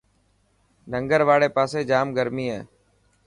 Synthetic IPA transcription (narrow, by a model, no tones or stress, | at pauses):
nəŋɡəɾʋaːɽeːpaːseːd͡ʒaːmɡəɾmiːɦɛː